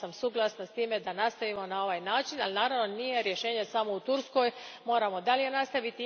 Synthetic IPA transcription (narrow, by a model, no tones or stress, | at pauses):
amsuɡlˠasnast̪iːme̞d̪anast̪aʋimo̞nao̞ʋaːjnaːt͡ʃinalinaːɾaʋnonije̞ɾjeʃe̞ːɲesamo̞ut̪uɾsko̞ːjmo̞ːɾamo̞d̪alije̞nast̪aʋit̪i